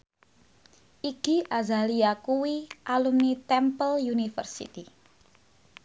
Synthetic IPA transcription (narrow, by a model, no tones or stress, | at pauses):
ʔiɡ̥i̤ʔazaliakuwiʔalumnit̪ɛmpəljunifə̰rsḭt̪i